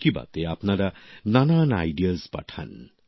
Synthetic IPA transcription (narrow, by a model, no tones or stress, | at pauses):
kiba̰t̪eapnaɾɐnanaːna̰jɖijəzpɐ̰ʈʰa̰n